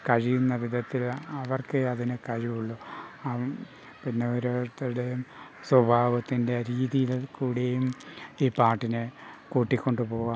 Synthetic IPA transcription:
kɐɻijunːɐʋid̪ʱɐt̪ːilɐʋɐrkeɐðinɨkɐɻiʋuɭːu | pinːeoɾot̪ːɽe | swɐbʱaːʋɐt̪ːinde̞ɾiːðijilkuːɽejumiːpaːrʈːinɨkuːʈːikʲːo̞ɳɖɨpo̞ːʋa

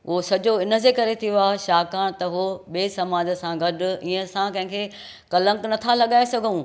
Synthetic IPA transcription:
ʊɦosɐd͡ʑoɪnə̆d͡ʑekɐɾet̪ʰijoaːɦeʃaːkaːɽ̃t̪ɐɦoɓeːsɐmaːd͡ʑəsãɡɐɗʊ̆iːə̃sãkɐ̃ɦɪ̃kʰe | kɐlə̃ŋɡnɐt̪ʰalɐɠaːesɐɡʱũː

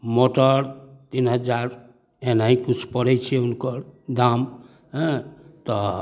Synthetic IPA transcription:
moʈəɾt̪inɦəd͡ʒaɾ | enaĩkut͡ʃʰpəɽɛt͡ʃʰieunkəɾd̪am | ɦɛ̃t̪ɔ

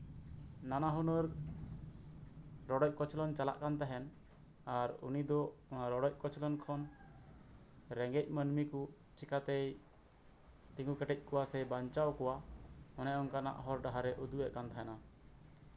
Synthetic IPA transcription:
nanaɦunɔɾ | ɾɔɖɔc̚kɔt͡ʃlɔnt͡ʃala̰ʔkant̪aɦɛn | aɾṵnid̪ɔɾɔɽɔc̚kɔt͡ʃʰlɔnkʰɔn | ɾɛŋɡɛc̚ˀmənmiku | t͡ʃikat̪ɛj | t̪ĩŋɡukəʈɛc̚ˀkɔwasɛbaɲt͡ʃawkɔwaɔnɛɔŋkana̰ʔɦɔɾɖaɦaɾɛʔud̪uɛʔkant̪aɦɛna

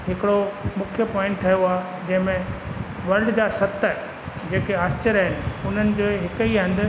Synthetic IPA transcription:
ɦɪkɪɽomʊkʰjəpɔ̃ːɪ̃ɳʈʈʰːɐɦjoaː | d͡ʑɐ̃ɦɪ̃mẽ | ʋɐɾɖd͡ʑasɐt̪ə | d͡ʑeːkeaːst͡ɕɪɾəɦɪnɪ̆ʊn̤ənɪ̆d͡ʑoːɦɪkəiɦɐ̃nd̪ʱə

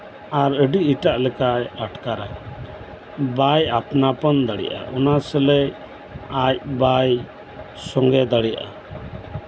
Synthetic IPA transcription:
aɾəɖiiʈaʔlɛkajaʈkaɾa | bajapnapənd̪əɽɛ̰ʔa̰ʔɔnasɛlɛ | ac̚baj | sɔŋɡɛd̪əɽijaʔa̰

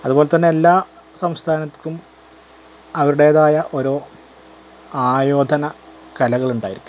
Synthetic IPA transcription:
ɐðuboːlet̪ːɐnːe̞elːaː | sɐmst̪ʰaːnɐt̪kʲːum | ɐʋɐɾuɽe̞ːðaːjɐʔo̞ɾo̞ː | aːjo̞ːd̪ʱɐnɐ | kɐlɐɣɐɭuɳɖaːjiɾikʲːu

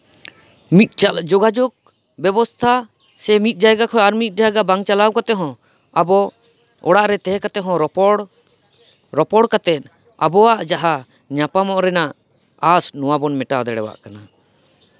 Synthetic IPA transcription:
mit̪̚d͡ʒɔɡad͡ʒɔɡ̚ | bɛbɔst̪ʰa | sɛmit̪̚ˀd͡ʒajɡakʰɔaɾmit̪̚d͡ʒajɡabaŋt͡ʃalawkat̪ɛɦɔ̃ | abɔ | ɔ̰ɽaʔɾɛt̪ɛɦɛkat̪ɛɦɔ̃ɔɽ | ɾɔpɔɽkat̪ɛt̪̚ˀ | a̰bɔwaʔd͡ʒaɦa | ɲapamɔʔɾɛnaʔ | asnuwabɔnmɛʈad̪ɛɽɛ̰wa̰ʔkana

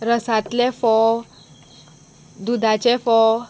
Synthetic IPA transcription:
ɾəsat̪lefɔ | d̪ud̪ʱat͡ɕefɔ

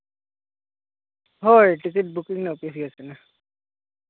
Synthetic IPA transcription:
ɦɔjʈiket̚bukiŋnɛopias̬iɡasɛna

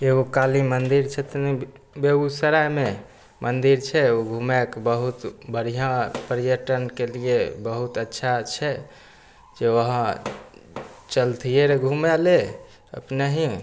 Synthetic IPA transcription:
eɡokalimənd̪iɾt͡ʃʰɛt̪ni | beusəɾajme | mənd̪iɾt͡ʃʰɛoɡʱumekbəɦut̪bəɽ̤ijãpəɾijəʈənkeliebəɦut̪ətːʃʰat͡ʃʰɛ | d͡ʒeəɦã | t͡ʃəlt̪ʰijeɾeɡʱumele | ə̰pneɦĩ

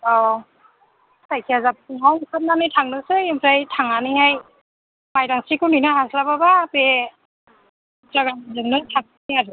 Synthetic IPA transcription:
ɔ | sajkʰijazap̚ɯŋɦawmkʰɯt̚nanɯjtʰaŋnɯsɯjɯmʰɾajtʰaŋanihaj | majdaŋsikʰɯninaɦaslababape | zaɡanazɯŋnɯtʰaŋ̚ɯiaɾɯ

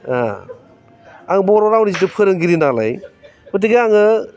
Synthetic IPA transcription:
a̰ | aŋbɔɾɔɾawnizitɯpʰɯɾɯŋɡiɾinala̰j | mɯt̬iɡiaŋɯ

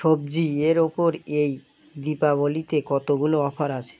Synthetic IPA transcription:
ʃobd͡ʑieɾopoɾej | d̪ipaβolit̪ekɔt̪oɡuloɔpʰaɾat͡ɕʰe̥

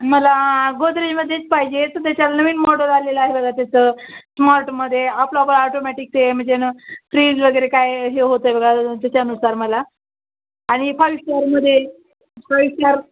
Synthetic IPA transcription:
məlaɡod̪ɾeməd̪ʱːjet͡spaɦid͡ʑet̪ət̪̬jat͡ɕalnəʋiːnmɔɽəlaleləaɦebəɡɭat̪at͡səsmaɾʈməd̪ʱːjeaploapəlaɔʈomɛʈik̚t̪em̤əɳd͡zenafɾiːd͡zʋəɡəjɾekajɦeɦot̪əebəɡɭat̪at͡ɕaənusaɾməlaː | ɽ̃ifajʋɕaɾməd̪ʱːje | fajɕaɾ

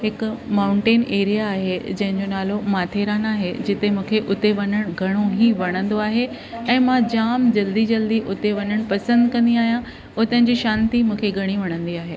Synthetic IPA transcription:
ɦɪkmaːʊ̃ɳʈeːneːɾijaːɦed͡ʑɐ̃ɦɪ̃ɲd͡ʑonaːlomaːt̪ʰeːɾaːnaːɦed͡ʑɪt̪emũːkʰeʔʊt̪eʋɐɲəɽ̃ɡʱɐɽ̃oɦiʋɐɽ̃ə̃nd̪oaːɦe | ɛ̃ːmãd͡ʑaːmd͡ʑɐld̪id͡ʑɐld̪iʔʊt̪eʋɐɲəɽ̃pɐsə̃nd̪kɐ̃nd̪iaːɦijã | ʊt̪ənɪ̃̆d͡ʑiːʃãːnt̪imũːkʰeɡʱɐɽ̃iʋɐɽ̃ə̃nd̪iaːɦeː

